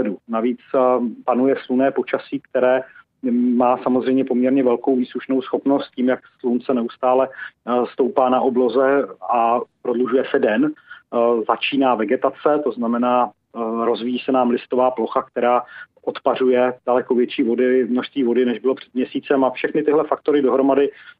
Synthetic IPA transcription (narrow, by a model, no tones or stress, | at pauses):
dunaviːt͡spanujɛslunɛːpot͡ʃasiːkt̪ɛɾɛː | maːsamozrɛjmɲɛpo̞mɲɛɾɲɛvɛlkowviːsluʃno̞wsxo̞pnost̪̚ciːmjakslunt͡sɛnɛust̪aːlɛst̪owpaːnaʔo̞blozɛapɾodluʒujɛsɛdɛn | zat͡ʃiːnaːvɛɡɛt̪at͡sɛt̪o̞znamɛnaː | ɾozvijiːsɛnaːmlɪst̪o̞vaːplo̞xakt̪ɛɾaːʔot̪par̝ujɛd̥alɛko̞vjɛt͡ʃiːvo̞dɪmnoʃst̪viːvo̞dɪnɛʒbɪlo̞pr̥ɛd̪mɲɛsiːt͡sɛmafʃɛxnɪt̪ɪɦlɛfak̚t̪o̞ɾɪdo̞ɦɾo̞madɪ